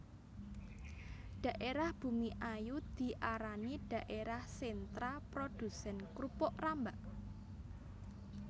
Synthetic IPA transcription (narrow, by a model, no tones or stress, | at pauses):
ɖ̥ä̤ʔeɾahb̥ṳmiʔajud̪̥i̤ʔaɾaniɖ̥a̤ʔeɾahsent̪ɾapɾod̪̥ṳsɛnkɾupɔʔrambaʔ